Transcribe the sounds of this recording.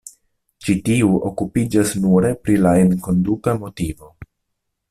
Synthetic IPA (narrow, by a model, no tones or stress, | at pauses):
t͡ʃitiuʔo̞kupid͡ʒasnuɾe̞pɾilaenko̞ndukamo̞tivo̞